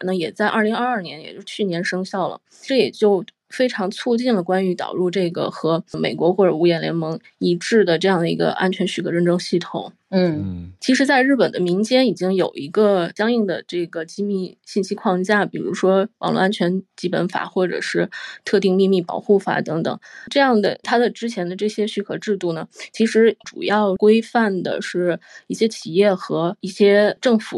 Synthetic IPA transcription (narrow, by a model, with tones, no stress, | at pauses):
nə˧jɛ˨˩t͡sa˥˧ɪʔɐ˞˥˩li˧˥ŋɐ˥˧ɐ˥˩njɛ˧˥njɛ˨˩t͡ɕjo˥˧ʊt͡ɕʰy˥˩njɛ˧˥nʂɤ˥ŋɕjɑ˥˩ʊlə̰˩ | ʈ͡ʂɤ˥˩jɛ˨˩t͡ɕjo˥˧ʊ | fe˥ɪʈ͡ʂʰɑ˧˥ŋt͡sʰu˥˧t͡ɕi˥˩nlə˩kwa˥ny˧˥t̪ɑ̰˨˩ʊɻu˥˧ʈ͡ʂɤ˥˩ɡə̰˩xɤ˧˥me˨˩ɪkwɔ˧˥xwɔ˥˩ʈ͡ʂɤ˨˩u˧˥jɛ˧˥nljɛ˧˥nmɤ˧˥ŋ | i˧˥ʈ͡ʂɻ̩˥˩d̪ə˩ʈ͡ʂɤ˥˧jɑ˥˩ŋd̪ə˩ḭ˧˥ɡə̰˧ʔa̰˥nt͡ɕʰɥɛ˧˥nɕy˨˥˩ɤ˧˩ɻə˥˩nʈ͡ʂɤ˥ŋɕi˥˩t̪ʰʊ̰˨˩˦ŋ̩˥˩ | t͡ɕʰi˧˥ʂ̬ɻ̩˧˥t͡sa˥˧ɪɻ̩˥˩pə˨˩nd̪ə˦mi˧˥ŋt͡ɕjɛ˥ni˨˩t͡ɕi˥ŋjo˨˩ʊi˧˥ɡə˧t͡ɕjɑ˥ŋi˥˩ŋd̪ə̰˩ʈ͡ʂɤ˥˩ɡə˩t͡ɕi˥mi˥˧ɕi˥˧nɕi˥kʰwɑ˥˧ŋt͡ɕja˥˩pi˨˩ɻṵ˧˥ʂwɔ˥wɑ̰˨˩ŋlɔ̰˥˧a˥nt͡ɕʰɥɛ˧˥nt͡ɕi˧˥pə̰˧˥nfa̰˨˩˦xwɔ˥˩ʈ͡ʂɤ̰˨˩ʂɻ̩˥˧t̪ʰɤ˥˧t̪i˥˧ŋmi˥˧mi˥˩pɑ̰˨˩ʊxu˥˩fa̰˨˩t̪ɤ˧˥ŋt̪ɤ̰˨˩˦ŋʈ͡ʂɤ˥˧jɑ˥˩ŋd̪ə̰˩t̪ʰa˥d̪ə˨ʈ͡ʂɻ̩˥t͡ɕʰjɛ˧˥nd̪ə˧ʈ͡ʂɤ˥˩ɕjɛ˥ɕy˥˩kʰɤ˧˥ʈ͡ʂɻ̩˥˧t̪u˥˩nə˩t͡ɕʰi˧˥ʂɻ̩˧˥ʈ͡ʂṵ˨˩jɑ˥˩ʊkwe˥ɪfa˥˩nd̪ə̰˩ʂɻ̩˥˩i˥˩ɕjɛ˥t͡ɕʰi˨˩jɛ˥˩xɤ˧˥i˥˩ɕjɛ˥ʈ͡ʂɤ˥˩ŋfu˨˩˦